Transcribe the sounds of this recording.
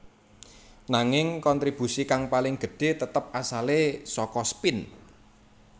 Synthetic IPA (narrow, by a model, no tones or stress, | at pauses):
naŋɪŋkɔnt̪ɾib̥ṳsikaŋpalɪŋɡ̥ə̤ɖ̥e̤t̪ət̪əp̚asalesɔkɔspɪn